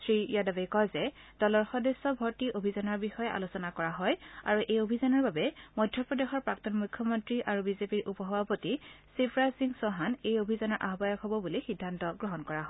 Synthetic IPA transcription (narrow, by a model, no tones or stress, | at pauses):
sɹijadabajkɔjzɛ | d̥ɔlɔɹxɔdɔsːɔbʱɔɹtiʔobʱizɔnɔɹbixɔjɛʔa̰lusɔnakɔɹaɦɔja̰ɹuʔejobʱizanɔɹbabɛmɔjdʱjɔpɹɔdexɔɹpɹak̚tɔnmujkʰjɔmɔntɹiʔaɹubizepiɹʔupɔɦɔbapotisipʰɹasiŋsɔɦanejobʱizanɔɹʔa̰ɦbajɔkɦobɔbulixidʱːantɔɡɹɔɦɔnkɔɹaɦɔj